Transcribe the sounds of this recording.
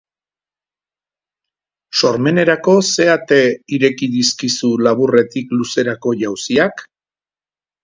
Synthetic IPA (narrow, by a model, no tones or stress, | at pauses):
so̞ɾme̞ne̞ɾako̞se̞at̪e̞iɾe̞kiðiskisulaβ̞ure̞t̪ikluse̞ɾako̞ʝawsiak